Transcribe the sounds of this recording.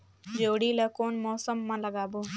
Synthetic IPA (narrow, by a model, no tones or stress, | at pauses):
d͡ʒoːɽiləkoːnmɔːsəmːãləɡaːbo